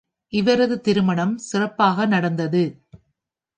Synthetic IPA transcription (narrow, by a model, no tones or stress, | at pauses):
ʔɪʋɐɾɐðɯt̪ɪɾɯmɐɳɐmsɪrɐpːaːɣɐnɐɽɐnd̪ɐðɯ